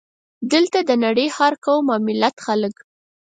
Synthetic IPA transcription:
d̪əlt̪ad̪ənaɽəjhɑɾkawmɑmɪlat̪xalək

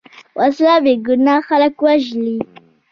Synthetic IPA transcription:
wʔaslabeɡʊnaxalakwaʒli

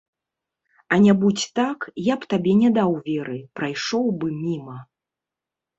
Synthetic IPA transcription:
ɐnʲabut͡sʲt̪akjapt̪abʲɛnʲɛd̪awvʲɛɾɨpɾajʂɔwbɨmʲimɐ

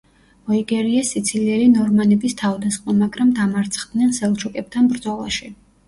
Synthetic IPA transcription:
ɔiɡɛɾiɛsit̪sʰiliɛɾinɔɾmanɛbist̪ʰavd̪asχmamaɡɾamd̪amaɾt̪sʰχd̪nɛnsɛlˠt͡ʃʰukʼɛp̚t̪ʰanbɾd̪zɔlˠa̰ʃi

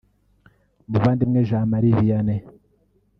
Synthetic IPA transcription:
muβaːndimŋeʒaːmaɾiβijane

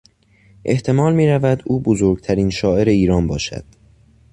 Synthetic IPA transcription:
ʔe̞ht̪ʰe̞mɒːlmiːɾævæd̪uːbozoɾɡ̚t̪ʰæɾiːnʃɒːe̞ɾe̞iːɾɒːnbɒːʃæ̰d̪̥

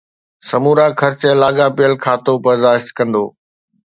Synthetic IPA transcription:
sɐmuːɾaːkʰɐɾt͡ɕːlaːɡapɪjəlkʰaːt̪obɐɾd̪aːʃt̪kɐ̃nd̪o̰ː

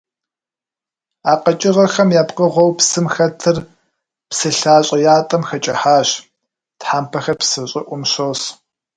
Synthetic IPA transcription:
aːqɐt͡ʃʼɪrɐxɐmjaːpqəʁʷɔwpsɨmxɐtʰɨr | psɨɬaːɕʼɐjaːtʼɐmxɐt͡ʃʼɐħaːɕ | tħaːmpʰɐxɐrpsɨɕʼɪʔʷʊmɕoːs

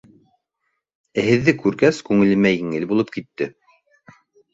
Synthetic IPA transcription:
ɘɦɘ̆ðːɘkʉɾɡæskʉŋɘ̆lɘ̆mæjɘ̆ŋɘlbulˠɤp̚kit̪ːɘ

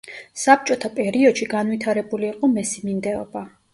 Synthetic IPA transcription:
sap̚t͡ʃʼɔt̪ʰapʼɛɾiɔd̪̥ʃiɡanvwit̪ʰaɾɛbuliːqʼɔmɛsimind̪ɛɔ̰ba

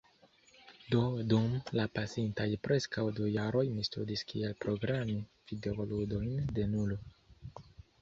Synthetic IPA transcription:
do̞dumlapasintajpɾe̞skawdujaɾo̞jmistudiskielpɾo̞ɡɾami | v̥ide̞oludo̞jnde̞nulo

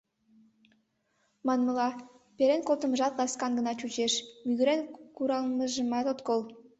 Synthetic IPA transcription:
mɑnmɤ̆lɑ | peɾenkolˠt̪ə̆mʒɑt̪lɑskɑnɡə̆nɑt͡ɕut͡ɕeʃmyɣɘɾenkuɾɑlˠməʒəmɑt̪ot̪kolˠ

